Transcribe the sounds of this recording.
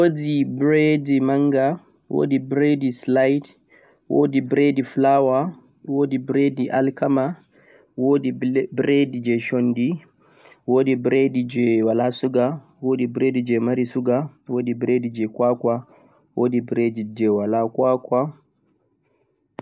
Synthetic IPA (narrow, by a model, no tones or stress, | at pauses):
wodibɾedimaŋɡa | wo̰dibɾedislajt | wo̰dibɾediflawa | wodibɾediʔa̰lkama | wodibɾedid͡ʒɛʃɔndi | woːdibɾedid͡ʒɛwalasuɡa | wodibɾedid͡ʒɛmaɾisuɡawoːdibɾedid͡ʒɛkwakwa | wodibɾedid͡ʒɛwalakwakwa